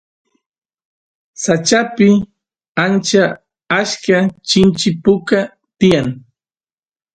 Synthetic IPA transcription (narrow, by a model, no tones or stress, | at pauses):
sat͡ʃapɪ | ant͡ʃa | aʃkat͡ʃɪnt͡ʃɪpʊka | t̪ɪjaŋ